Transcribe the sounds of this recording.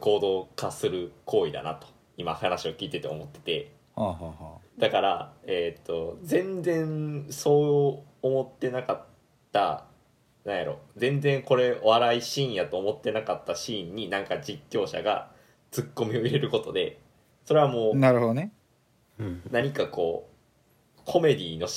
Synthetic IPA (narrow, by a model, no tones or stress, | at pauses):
ko̞ːd̪o̞ːkasɨɾɯ̟kʰo̞ːid̪a̰na̰t̪o̞̥ | imahanaɕio̞kʲiːt̪e̞t̪e̞omo̞t̪ːe̞̥t̪e̞ | haːɦaːhaːd̪̥akaɾa̰et̪ːo̞zẽ̞nd͡zẽ̞nso̞ːoː | mo̞t̪ːe̞nakat̪ː | a̰ | nãɰ̃jaɾʔo̞̰d͡zẽ̞nd͡zẽ̞ŋko̞ɾe̞βaɾaiɕĩːɰjat̪oːmo̞t̪ːe̞nakat̪ːaɕiːɲ̟ːinãŋkad͡ʑikʲːo̞ːɕa̰ɡa̰ | t͡sɨkːo̞mʲio̞iɾe̞ɾɯ̟ko̞t̪o̞d̪e̞ | so̞ɾe̞βamo̞ːnaɾɯ̟ɦod̪one | naɲ̟ikako̞ː | kʰo̞me̞d̪ʲiːno̞